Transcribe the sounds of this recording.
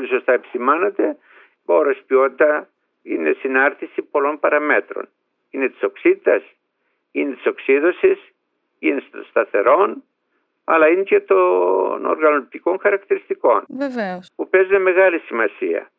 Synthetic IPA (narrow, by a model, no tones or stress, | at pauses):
olisost̪ɐepi̥simɐnet̪e̞ | oɾɐspio̞t̪it̪ɐ | ine̞sinɐɾt̪isipo̞lo̞mpɐɾɐme̞t̪ɾo̰n | ine̞t̪i̥so̞ksit̪it̪ɐs | inet̪i̥so̞ksiðo̞sis | inesst̪ɐθe̞̰ɾo̞n | ɐ̰lɐinecet̪ono̰ɾɣɐnot̪iko̞ŋxɐɾɐkt̪iɾist̪iko̞nveveopupezuneme̞ɣɐlisimɐsiɐ̰